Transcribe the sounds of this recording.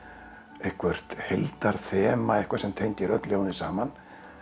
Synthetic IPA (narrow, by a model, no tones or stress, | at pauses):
ehkʰvœr̥t̪helt̪aɾ̥θɛːmaɛhkvaɾsɛmt̪ʰejnt̪ɪɾœt̪ljawnɪsaːman